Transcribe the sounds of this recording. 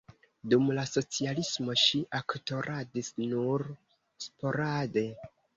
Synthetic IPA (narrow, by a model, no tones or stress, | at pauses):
dumlaso̞t͡sialismo̞ʃiʔakto̞ɾʔadisnuɾ | spo̞ɾade̞